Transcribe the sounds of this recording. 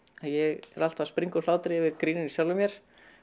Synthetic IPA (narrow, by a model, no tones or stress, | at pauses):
aðjɛɣɛ̰ɾal̥t̪aspɾiŋkʏlaːwt̪ɾɪvɪðkɾiːnɪnisjawlvʏmjɛɾ̥